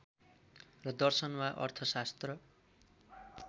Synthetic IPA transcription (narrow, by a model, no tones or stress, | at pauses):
rʌd̪ʌrsʌnmaʔʌ̰rt̪ʰʌsast̪rʌ